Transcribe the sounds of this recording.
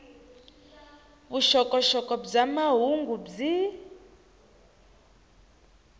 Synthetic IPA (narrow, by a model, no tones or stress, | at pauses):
βuʃɔkʼɔʃɔkʼɔb͡ʐamaɦuŋɡub͡ʐi